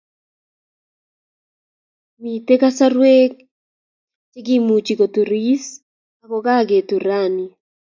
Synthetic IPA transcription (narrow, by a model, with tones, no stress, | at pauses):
mi˨t̪e˦ka˦sa˦ɾwe˦k | t͡ʃe˦ɡi˦mu˨t͡ʃi˨ko˨t̪u˨ɾi˦s | a˨kɔ˦ka˦ɡe˨t̪u˨ɾa˦˨ni˨